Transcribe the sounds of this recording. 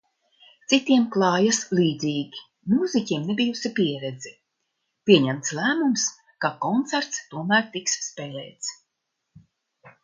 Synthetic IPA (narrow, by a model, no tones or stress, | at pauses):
t̪sit̪iɛmklˠɑːjaslˠiːd̪ziːɡʲi | muːzikʲiɛmnebijusipiɛɾɛd̪zi | pʲiɛɲæmt̪slˠæːmums | kakɔnt̪sæɾt̪st̪uɔmæːɾt̪iksːpɛːlɛːt̪s